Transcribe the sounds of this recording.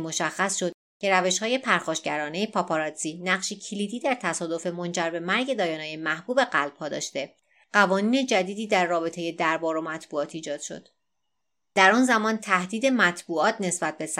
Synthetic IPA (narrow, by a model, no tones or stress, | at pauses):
mo̞ʃæxːæsʃo̞d̪̥̚ | cʰe̞ɾæveʃhɒːje̞pʰæɾxɒːʃɟæɾɒːnejepʰɒːpʰɒɾɒd̪ziːnæɢʃicʰiliːd̪iːd̪æɾt̪ʰæsɒːd̪o̞fe̞mo̞nd͡ʒæɾbe̞mæɾɟe̞d̪ɒːjɒːnɛːjemæhbuːbe̞ɢælb̥̚ʰɒːd̪ɒ̰ːʃt̪e̞ | ɢævɒːniːne̞d͡ʒæd̪iːd̪iːd̪æɾːɒːbe̞t̪ʰeje̞d̪æɾbɒːɾo̞mæt̪ʰbuːɒːt̪ʰiːd͡ʒɒːd̪̥ʃo̞̰d̪̥ | d̪̥æɾɒnzæmɒːnt̪ʰæhd̪iːd̪e̞mæt̪ʰbuːɒːt̪ʰne̞sbæt̪̚be̞s